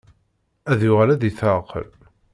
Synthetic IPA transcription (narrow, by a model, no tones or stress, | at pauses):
æðjʊʁælæðiθəqə̰l